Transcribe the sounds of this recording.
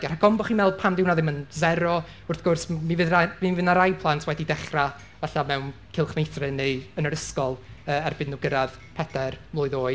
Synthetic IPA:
ɡar̥aɡɔmbɔχiːnmɛlˠd̚pʰamdɪwnaðɪmənzɛɾɔ | ʊrθɡ̥ʊrsmivɨðamivɪnaɾajpʰlˠantʰwɛdidɛχra | vɛɬamɛwnkʰɪlˠχmejθrɨneənəɾəskɔlˠəːɛrbɪnːʊɡəɾað | pʰɛdɛrmlʊɨðoːɨ

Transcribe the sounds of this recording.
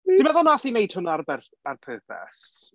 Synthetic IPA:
d̥ɪmɛðɔnaθinejd̥hʊnarbɛr | arpʰøːpʰɛ̰s

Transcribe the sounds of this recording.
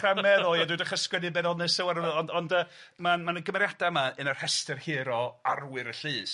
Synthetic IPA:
amɛðɔjadujdaχəskwɛnɨbɛnɔnɨsɛwaɾəvɛɔndɔndə | manmanəɡəmɛɾjad̥amaənar̥hɛstɨrheːɾɔarwɨɾəɬɨːs

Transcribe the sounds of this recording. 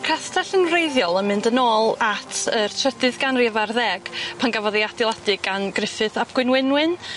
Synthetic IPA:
kʰrastʰaɬənvrejðjɔlˠənmɨndənoːlˠatʰərtʰrədɨðɡanrivarðɛɡ̥pʰanɡavɔðiadɪlˠadɨɡanɡrɪfɨðab̥̚ɡ̥wɪnwɪnwɨn

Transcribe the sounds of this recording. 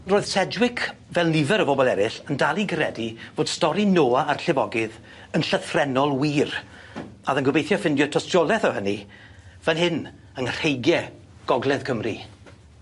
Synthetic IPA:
roːɨð̥sɛdwɪkʰvɛlˠnɪvɛɾəbɔbɔlˠɛɾɪɬəndalˠinɡʰrɛdivoːd̥stɔɾinoːaarɬɪvɔɡɪð | ənɬəθrɛnɔlˠwiːr | aðənɡʊbejθjɔfɪndjɔtʰɔstrɔlˠɛθəhəni | vɛnhɪn | ənr̥ejɡjɛ | ɡ̥ɔɡlˠɛð̥kʰəmrḭ

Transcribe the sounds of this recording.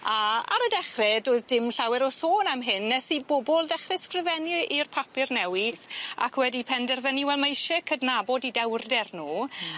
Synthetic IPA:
aa̰ɾədɛχrɛdoːɨðdɪmɬawɛɾɔsoːnamɦɨnːɛsibobɔlˠdɛχrɛskrɪvɛniʔirpʰapɨrnɛwɪsa̰kʰwɛdipʰɛndɛrðəniwɛlˠmejʃɛkʰədnabɔdidɛwrdɛrnuː

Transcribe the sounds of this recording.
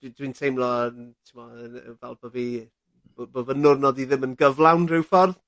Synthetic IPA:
d̥widwintʰejmlˠɔntʰɪmɔəvɛlˠbɔvi | bbovənʊrnɔdiðɪmənɡəvlˠawnrɪwfɔrð

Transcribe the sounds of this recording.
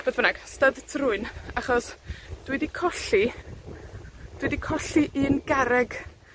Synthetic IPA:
boðvənaɡ̥stədtʰrʊɨnaχɔsd̥widikʰɔɬi | d̥widikʰɔɬiʔɨnɡ̥aɾɛɡ̥

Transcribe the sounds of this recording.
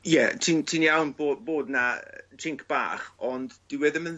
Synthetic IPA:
jɛtʰiːntʰinjawnboːboːdnatʰɪŋkʰb̥a̰ːχɔndd̥ɪwɛðəmən

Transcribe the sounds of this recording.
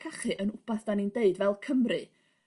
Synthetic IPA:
kʰaχɨʔənʊb̥aθd̥anindeɨdvɛlˠkʰəmrɨ

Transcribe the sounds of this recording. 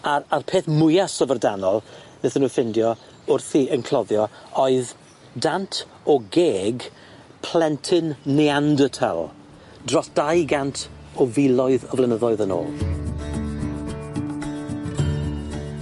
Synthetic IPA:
aɾarpʰeːθmʊjasɔvərdanɔlˠ | nɛθənuːfɪndjɔ | ʊrθiənkʰlˠɔðjɔɔɨð | dantʰ | ɔɡeːɡ | pʰl̥ɛntʰɨnːɛandətʰɛ̰lˠ | drɔsd̥ajɡantʰɔvɪlˠɔɨðɔvlˠənəðɔɨðəno̰ːlˠ

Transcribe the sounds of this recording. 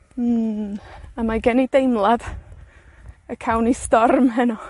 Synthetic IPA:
amaɡɛnidejmlˠad | əkʰawnistɔrmɦɛnɔ

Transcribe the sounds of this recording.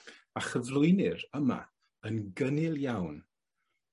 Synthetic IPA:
aχəvlʊɨnɪɾəma̰ | ənɡənɪlˠjawn

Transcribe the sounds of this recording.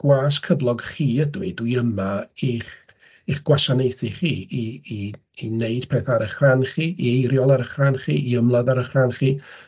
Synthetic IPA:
ɡ̥waːskʰəvlˠɔɡχiːədwiduiəmaiχ | iχɡ̥waʃanejθiχiːiː | neɨd̥pʰɛːθaːɾəχranχiːiejɾjɔlˠaɾəχranχiːiəmlˠadaɾəχranχiː

